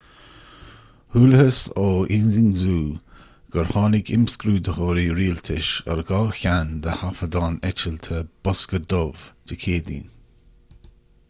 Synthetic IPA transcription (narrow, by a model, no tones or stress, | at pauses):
huːləhəsoɪnzɪŋzuː | ɡ̥əɹhɑːlɪɡɪmskɾuːd̪əxɔɾiɾiːlt̪ʰɪʃə̰ɹɡaːçand̪əhafəd̪ɑːnɛt͡ʃəlt̪ʰəb̥ɔskəd̪ɔv̥d̥əkʰeːd̪ḭːn